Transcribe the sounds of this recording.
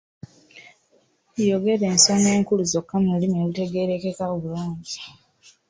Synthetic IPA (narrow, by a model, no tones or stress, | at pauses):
jo̞ɡe̞ɾeːnsoneːŋkuluzo̞kːamelimelute̞ɡe̞ɾe̞ke̞kaoβuluːɲɟi